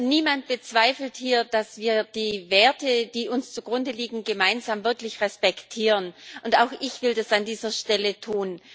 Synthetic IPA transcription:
niːmant̚b̥ət͡sv̥aɪfl̩thiːɐd̥asv̥iːɐd̥iːveːɐtəd̥iːʔʊnst͡suɡ̥ʁʊndəliːɡŋ̩ɡəmaɪnzaːmvɪɐklɪçʁɛspɛktʰiːʁənʔʊntaʊxʔɪçv̥ɪldasandiːzɐʃtɛlətʰuːn

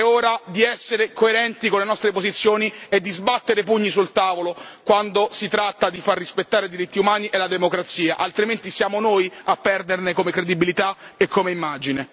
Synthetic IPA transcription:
ɛoːɾad̪iɛsːeɾekoeɾɛnt̪ikonlenɔst̪ɾepozit̪sːjoːnied̪ːizbat̪ːeɾepuɲːisult̪aːvolokwand̪osit̪ɾat̪ːad̪ifarːispet̪ːaːɾed̪iɾit̪ːiumaːniʔelad̪emokɾat̪siːa̰ʔalt̪ɾiment̪isjaːmonoːjapːɛrd̪ernekomekɾed̪ibilit̪aekʰːomeimːaːd͡ʒine

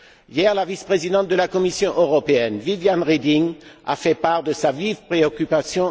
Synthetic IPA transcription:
jɛʁlavispχezid̪ɑ̃t̪̚d̪əlakɔmisjɔ̃ʔøʁɔpeɛnvivjanʁed̪iŋa̰fɛpaʁd̪əsavivpχeɔkʲypasjɔ̃

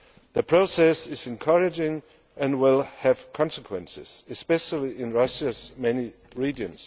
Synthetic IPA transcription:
ðɨpʰɹ̥oʊsɛsɪzɨ̃nkʰʌɹɨd͡ʒɪ̃ŋ | ɨ̃nwɪlˠɨv̥kʰɑ̃nsəkʰwɛ̃nsɪ̰z̥ɨspɛʃəlˠiɪ̃nɹʌʃɨzmɛni | ɹid͡ʒɨ̃ns

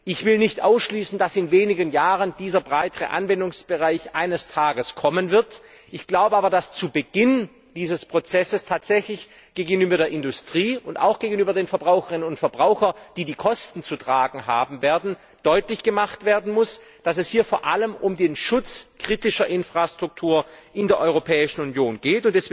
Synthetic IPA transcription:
ʔɪçv̥ɪlnɪçtʔa̰ʊsʃliːsn̩dasɪnveːnɪɡənjaːʁənd̥iːzɐbʁaɪtəʁə̰ʔa̰nvɛndʊŋsb̥əʁaɪçʔaɪnəstʰaːɡəskʰɔmənvɪɐt | ʔɪçɡ̥laʊbəʔaːbɐdast͡subəɡɪn | d̥iːzəspʁ̥ot͡sɛsəstʰaːtz̥ɛçlɪç | ɡ̥eːɡəŋənyːbɐɾeːɐʔɪndʊstʁ̥iːʊnta̰ʊxɡ̥eːɡən̩yːbɐdeːnfɛɐbʁaʊxəʁɪnənʊntfɛɐbʁaʊxɐd̥iːdiːkʰɔstn̩t͡sutʁ̥aːɡŋ̩ɦaːbm̩veːɐdn̩ | d̥ɔʏtlɪçɡ̥əmaχtv̥eːɐdn̩mʊs | d̥asɛshiːɐfoːɐʔaləmʔʊmdeːnʃʊt͡skʁ̥iːtɪʃɐʔɪnfʁ̥astʁ̥ʊk̚tʰuːɐʔɪndeːɐʔɔʏʁopʰɛːɪʃn̩ʊnjoːnɡ̥eːtʊntd̥ɛsv

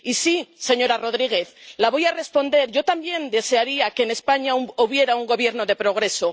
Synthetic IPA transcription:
isise̞ɲo̞ɾaro̞ðɾiɣ̞e̞θlaβo̞jare̞spo̞nd̪e̞ɾʝo̞t̪ambje̞nd̪e̞se̞aɾiake̞ne̞spaɲauoβje̞ɾauŋɡo̞βje̞ɾno̞ðe̞pɾo̞ɣ̞ɾe̞so̞

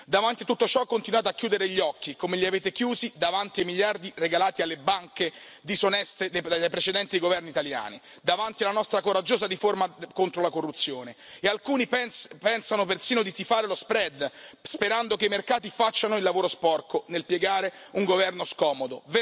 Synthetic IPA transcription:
d̪avant̪it̪ut̪ːot͡ʃɔkːont̪inwaːt̪oakːjuːd̪eɾeʎːɔkːikomeʎiaveːt̪ekjuːzid̪avant̪iajmiʎjard̪ireɡalaːt̪ialːebaŋke | d̪isonɛst̪ed̪ed̪apɾet͡ʃed̪ɛnt̪id̪ejɡovɛrnit̪alja̰ːni | d̪avant̪ialanɔst̪ɾakoɾad͡ʒːoːzariformakont̪ɾolakorːut̪sːjoːne | ealkuːnipɛpɛnsanopersiːnod̪it̪ifaːɾelospɾɛd̪speɾand̪okeimerkaːt̪ifat͡ʃːanoilːavoːɾospɔrkonelpjeɡaːɾeuŋɡovɛrnoskɔːmod̪ove

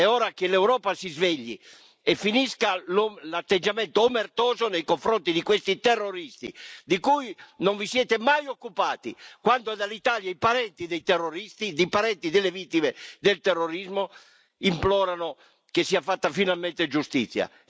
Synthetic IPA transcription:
ɛɔːɾakelɛwɾɔːpasizveʎːḭ | ɛfiniskalolat̪ːed͡ʒamɛnt̪oːmert̪ɔːzonejkoɱfɾont̪id̪ikwest̪it̪ɛrːoɾist̪ḭd̪ikujnoɱvisjɛːt̪emajokːupaːt̪ḭkwand̪oɛd̪alit̪aːljaipaɾɛnt̪id̪ejt̪ɛrːoɾist̪id̪epaɾɛnt̪id̪elːevit̪ːimed̪elt̪ɛrːoɾizmo | implɔːɾano | kesːiafat̪ːafinalmɛnt̪ed͡ʒust̪it̪sːja̰

